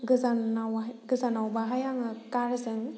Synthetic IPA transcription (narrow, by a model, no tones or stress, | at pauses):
ɡɯzanawɡɯzanawbaɦajaŋɯkaɾzɯŋ